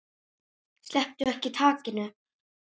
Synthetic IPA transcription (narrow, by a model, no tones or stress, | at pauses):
slɛh̚t̪ʏɛhcɪt̪ʰaːcɪnʏ